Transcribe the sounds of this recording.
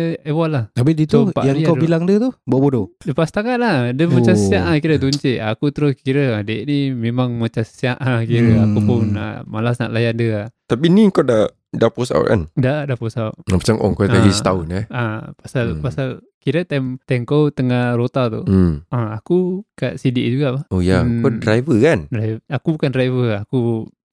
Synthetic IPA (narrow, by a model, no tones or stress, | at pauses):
ewalaht̪abidit̪upaʔjakabilaŋdət̪ubuaʔbododəpast̪akaʔ̪̚ladəmat͡ʃassaʔakiɾəd̪uɲt͡ʃiʔakut̪əɾʊskiɾəadeʔnimemaŋmat͡ʃasə̥siaʔakiɾəa̰kupʊnə̰malasna̰ʔlajandəat̪apiniəŋkawda | dapusa̰w̰ka̰ndadaposawʔapat͡ʃaŋʔo̰ŋkot̪aiət̪aʊnaapasalpasal | kiɾət̪amt̪aŋkowt̪əŋahɾot̪at̪ṵaakukaʔsidɪʔd͡ʒuɡaʔpahojakodɾajvəkandraakubukandɾajvəaku